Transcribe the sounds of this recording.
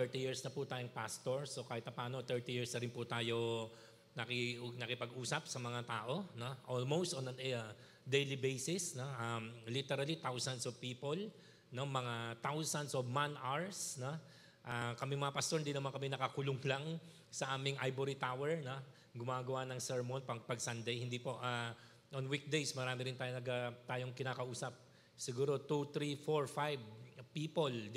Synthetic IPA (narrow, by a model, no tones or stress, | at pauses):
ɛɹt̪ijiɹsnɐput̪aːjoŋpast̪oɹso̞kaːhɪt̪pɐpaːno̞t̪ɛɹt̪ijiɹsnɐɾɪnpʊt̪aːjo̞ | nɐkɪnɐkɪpɐɡuːsɐp̚sɐmɐŋat̪aːʔo̞noʔolmowst̪onɐ | d̪ejlibejsɪsnoʔamlit̪ɛɾɐlit̪awsɐnsovpiːpol | nomɐŋat̪awsɐnsovmanʔaɹsno | ʔakɐmɪŋmɐŋapɐst̪o̞ɹnd̪inɐmankɐmɪnɐkɐkʊlʊŋlɐŋ | sɐʔaːmɪŋʔajboɾit̪awɛɹno | ɡʊmaːɡɐwanɐŋsɛɹmonpɐŋpɐɡsand̪ɐjhɪnd̪ipo̞ʔa | ʔonwik̚d̪ejsmɐɾaːmɪɾɪnt̪ɐjɐɡat̪aːjoŋkɪnaːkɐʔuːsɐp̚ | sɪɡuːɾo̞t̪ut̪ɾifoɹfajvpiːpol